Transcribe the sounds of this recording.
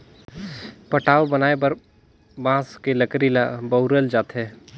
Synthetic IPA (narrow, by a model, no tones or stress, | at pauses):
pɐʈaːobɐnaːebɐɾ | bãːskeləkɾilabəʊɾəld͡ʒaːt̪ɦɛː